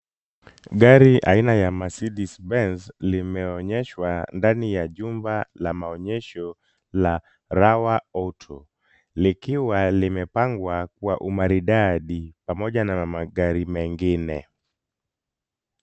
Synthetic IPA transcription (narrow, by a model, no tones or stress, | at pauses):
ɡaɾiʔa̰inajamasiɗisbɛnslimɛɔɲɛʃwandanijaʄumbalamaɔɲɛʃɔ | la | ɾawaɔtʰɔ | likiwalimɛpaŋɡwak̚uwaʔumaɾiɗaɗipamɔʄanamaɠaɾimɛŋɡinɛ̰